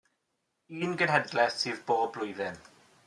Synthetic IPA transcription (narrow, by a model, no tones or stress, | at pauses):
iːnɡənɦɛdlɛsɨːðboːblʊjðɪm